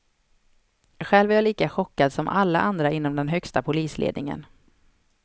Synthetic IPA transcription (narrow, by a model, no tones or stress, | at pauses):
ɧɛːlvæɾjaliːkaɧɔkːad̪sɔmʔalːa̰ʔand̪ɾaʔɪnːɔmd̪ɛnɦœkst̪apʰʊliːslʔḛːd̪nɪŋə̰n